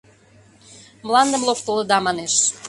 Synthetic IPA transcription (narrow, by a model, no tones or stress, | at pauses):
mlɑnd̪əmlokt̪əlˠə̆d̪ɑmɑneʃ